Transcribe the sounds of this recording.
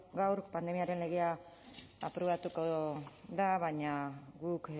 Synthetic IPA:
ɡawɾpand̪e̞miaɾe̞nle̞ɣea | apɾoβat̪ukoðaβaɲaɡuk

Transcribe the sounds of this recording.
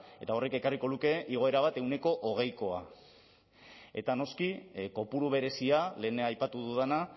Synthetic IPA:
e̞t̪ao̞re̞ke̞kariko̞ðuke̞iɣ̞o̞eɾaβ̞at̪e̞wne̞ko̞ʔoɣ̞e̞jko̞a̰ | e̞t̪ano̞skiko̞puɾuβ̞e̞ɾe̞siale̞ːnajpat̪uðuðena

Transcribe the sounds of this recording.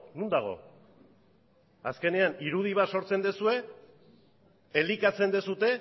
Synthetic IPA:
nund̪aɣ̞o̞̰ | aske̞ne̞aniɾuð̞iβ̞at̪so̞ɾt͡se̞nd̪esue̞ | elikat͡se̞nd̪esut̪e̞

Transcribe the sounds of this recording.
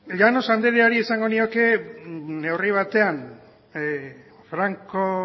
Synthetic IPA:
ʎano̞sand̪eɾeaɾiesaŋɡo̞nio̞ke̞ | ne̞wriβ̞at̪e̞an | fɾaŋko

